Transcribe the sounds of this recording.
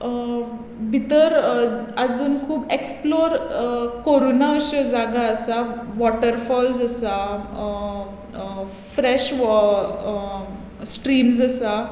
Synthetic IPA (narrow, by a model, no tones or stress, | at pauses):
bʱit̪əɾad͡zuːnkʰuːbeksploɾkoɾonaəɕəd͡zaɡaəsaʋɔʈəɾfɔlzəsa | fɾɛɕ | sʈɾiːmsəsa